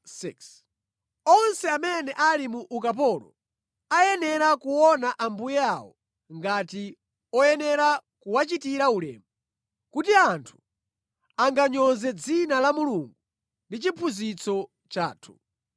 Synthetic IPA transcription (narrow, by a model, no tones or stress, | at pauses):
siks | ɔnsɛamɛnɛʔalimuʔːkap̬ɔlɔ̰ | ajɛnɛɾakuwɔnaʔambujɛawɔ̰ | ŋɡati | ɔjɛnɛɾakuwat͡ʃitiɾaulɛ̰ːmu | kutiantʰu̥ | aŋɡaɲɔnzɛd͡zinalamuluŋɡu | ndit͡ʃipʰuzit͡sɔ | t͡ʃa̰ːtʰu̥